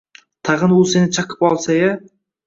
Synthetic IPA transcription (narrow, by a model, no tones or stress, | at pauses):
t̪ʰɑʁɨnʊlˠse̞nɪt͡ʃʰaqʰɪ̥pɒlˠsaja